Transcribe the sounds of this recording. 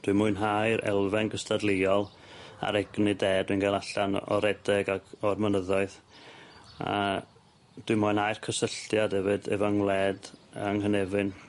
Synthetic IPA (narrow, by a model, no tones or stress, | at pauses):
d̥wɨmʊɨnɦajɾɛ̰lˠvɛnɡəstʰadlˠɪɔlˠ | a̰ɾɛɡnideːd̥wɨnɡalˠaɬanɔ̰ɾɛdɛɡaɡɔrmənəðɔɨð | a̰ | d̥wɨmɔːnajrkʰəsəɬtjad̥hɛvɨdɛ̰vaŋlˠɛdəŋhənɛvɨn